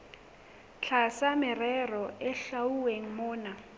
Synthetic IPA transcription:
t͡ɬʰasamɪrɛrɔɪɬauweŋ̩mʊːna

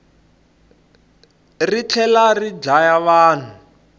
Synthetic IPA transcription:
rit͡ɬʰɛlarid͡ʒajaβaːn̤u

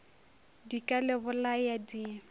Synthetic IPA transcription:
dikʼalɪbʊlajadiː

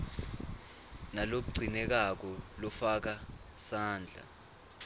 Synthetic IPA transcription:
nalok̬uɡ͡ǀʱinɛk̬ak̬ɔlɔfak̬a | saːnd͡ɮʱa̰

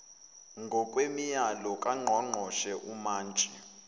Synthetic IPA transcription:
ŋɡʱɔkʼwemijalɔkʼaŋ͡ǃʱɔŋ͡ǃʱɔʃɛʔumaːnt͡ʃʼɛ

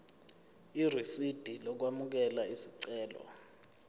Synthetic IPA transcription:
irisid̥ʱilɔk̬wamuk̬ɛlaisiǀɛːlɔ̰

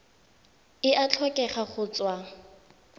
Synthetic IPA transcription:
ɪʔat͡ɬʰwɔkʼɛχaχʊt͡swa

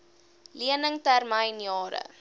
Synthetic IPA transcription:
liənəŋtærməjnjɑːɾə̰

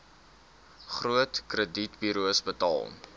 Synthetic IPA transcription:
χruətkrəditbyɾuəsbətɑ̰ːlˠ

